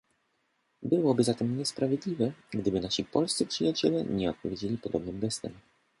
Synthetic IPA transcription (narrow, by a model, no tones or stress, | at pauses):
bɘwɔbɘzat̪ɛmɲɛspɾavʲjɛd̪lʲivɛɡd̪ɘbɘnaɕipɔlst̪sɘpʂɘjat͡ɕɛlɛɲɛɔt̪̚pɔvʲjed͡ʑelʲipɔd̪ɔbnɘmɡɛst̪ɛ̰m